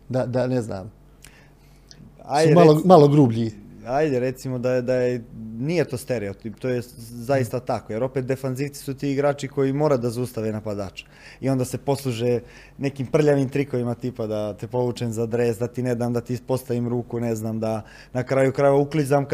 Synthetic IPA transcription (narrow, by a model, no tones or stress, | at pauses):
d̪ad̪anezna̰m | ajd̪emalomaloɡɾubʎiajd̪eɾet̪simo̞d̪ad̪ajenije̞t̪o̞ːst̪e̞ɾeot̪ipt̪oːjezaist̪at̪akoje̞ɾo̞pet̪̚d̪efanziʋt̪i̥sut̪iːɡɾaːt͡ʃiko̞jimoːɾad̪azaust̪aʋenapad̪aːt͡ʃe̥ | io̞nd̪ase̞po̞slˠuʒe | nekiːmpr̩ʎaʋimt̪ɾiko̞ʋimat̪ipad̪at̪epo̞luːt͡ʃemzad̪ɾeːsd̪at̪ined̪aːmd̪at̪ispo̞st̪aʋimɾuːkuneznaːmd̪a | nakɾajukɾaeʋauklizamk